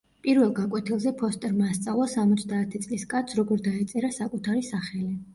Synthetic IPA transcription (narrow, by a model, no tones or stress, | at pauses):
pʼiɾvɛlˠɡakʼwɛt̪ʰilˠzɛpʰɔst̪ʼɛɾmaːst̪sʼavlˠasamɔt̪sʰd̪aːt̪ʰit̪sʼliskʼat̪sʰɾɔɡɔɾd̪aɛt̪sʼɛɾasakʼut̪ʰaɾisaχɛli